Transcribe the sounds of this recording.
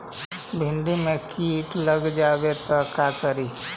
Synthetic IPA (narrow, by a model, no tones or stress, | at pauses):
bʱɪɳɖimẽkiːʈləɡd͡ʒaːʋet̪ɔkakəɾiː